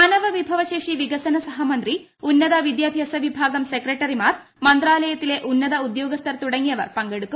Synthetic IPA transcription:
ɐnɐʋɐʋibʱɐʋɐʃeːʂiʋiɡɐsɐnɐsɐɦɐmɐnd̪ɾi | unːɐd̪ɐʋid̪jaːbʱjɐsɐʋibʱaːɡɐmsekɾeʈɐɾimaːɾ | mɐnd̪ɾaːlɐjɐt̪ileʔunːɐd̪ɐud̪joːɡɐst̪ʰɐɾt̪uɽɐŋiɐʋɐ̰ɾpɐŋɡeɽuk̪u

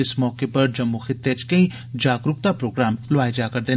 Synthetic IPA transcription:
ɪsmɔːkepɐɾd͡ʒɐmːuxɪt̪ːet͡ʃkɐĩ | d͡ʒaːɡɾʊk̚t̪apɾoːɡɾaːmlʋaːed͡ʒakɐɾd̪eː

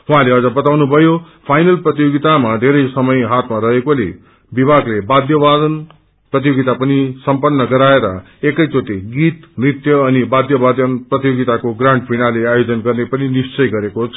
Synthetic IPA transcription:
ɦuɦãleʌd͡zʌbʌt̪awnubʱʌjo | pʰajnʌlprʌt̪joɡit̪amad̪ʱeɾʌjsʌmʌjɦat̪maɾʌɦekole | bibʱaɡlebad̪jʌbad̪ʌn | prʌt̪̬ijoɡit̪apʌnisʌmpʌnːʌɡʌɾaeɾʌ̰ | ekʌjt͡sot̪iɡit̪mrit̪jʌːnibad̪jʌbad̪ʌnprʌt̪ijoɡit̪akoɡraɳʈpʰinaleajod͡zʌnɡʌrnepʌninist͡sʌjɡʌɾekot͡sʰʌ

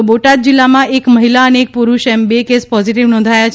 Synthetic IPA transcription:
oboʈat̪̚d͡ʒilːamãekməɦilaəneːk̚puɾuʃɛmbekespɔziʈiʋnɔ̃nd̪ʱajat͡ʃʰ

